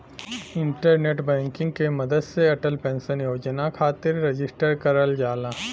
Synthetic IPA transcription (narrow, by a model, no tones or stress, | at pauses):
ɪ̃ɳʈəɾneːʈbɛ̃ːŋkɪ̃ŋɡkemɐd̪əd̪seɐʈəlpɛ̃ːnsənjoːd͡ʒənakʰaːt̪ɪɾːed͡ʒɪsʈəɾkɐɾəld͡ʒaːlaː